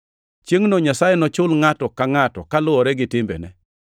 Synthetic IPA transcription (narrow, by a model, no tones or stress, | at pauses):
t͡ʃjeŋnɔɲasajɛnɔt͡ʃʊlŋatɔkaŋatɔkalʊɔɾɛɡɪtɪmbɛ̰nɛ̰